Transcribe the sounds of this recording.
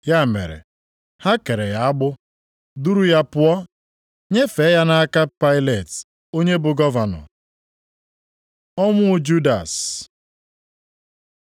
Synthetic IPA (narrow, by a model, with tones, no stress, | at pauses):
ja˦˨mḛ˨ɾḛ˨ | ha˦ke˨ɾe˨ja˨a˦ɡ͡bʊ˦ | du˦ɾu˦ja˦pʊ˦ɔ˦ | ɲe˦fe˨˦ja˦na˦ka˦pa˦ɪ˦le˨t | o˦ɲe˦bʊ˨ɡɔ˦va˨nɔ̰˨ | ɔ˦mʊ˦d͡ʒu˦da̰˨s